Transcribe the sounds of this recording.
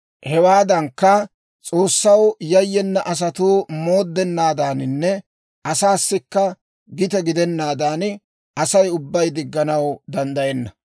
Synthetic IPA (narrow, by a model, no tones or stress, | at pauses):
hɛwaːd̪ɐŋkːɐ | t͡sʼo̞ːsːɐwjɐjːɛnːɐʔɐs̬ɐt̪uːmo̞ːd̪ːɛnːaːd̪aːnnːɛ | ʔɐsaːsːɪkːɐ | ɡɪt̪ɛɡɪd̪ɛnːaːd̪aːn | ʔɐsɐjʊbːɐjd̪ɪɡːɐnɐwd̪ɐnd̪ɐjɛnːɐ